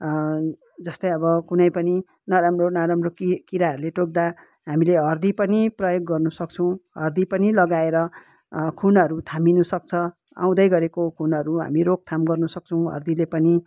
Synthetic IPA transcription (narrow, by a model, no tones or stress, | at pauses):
d͡zʌst̪ʌjʌbʌkunʌjpʌni | nʌɾamronaɾamrokikiɾaʌɾuleʈok̚d̪a | ɦamileɦʌrd̪ipʌniprʌjoɡːʌrnusʌkt͡sʰʌ̃w̃ɦʌrd̪ipʌnilʌɡaeɾʌ | kʰunʌɾut̪ʰaminusʌk̚t͡sʰʌ | ã̰w̃d̪ʌjɡʌɾekokʰunʌɾuɦa̰miɾok̚t̪ʰamɡʌrnusʌk̚t͡sʰʌw̃ɦʌ̰rd̪ilepʌni